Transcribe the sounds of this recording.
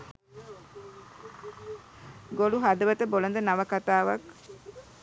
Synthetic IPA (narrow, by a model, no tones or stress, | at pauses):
ɡoluɦad̪əʋɐt̪əbolɐnd̪ənaʋəkat̪aːʋɐk